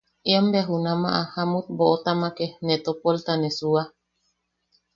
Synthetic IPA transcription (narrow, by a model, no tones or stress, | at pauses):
eambeaɦunama̰ʔahamut̪̚boʔot̪amakenet̪opolt̪anesua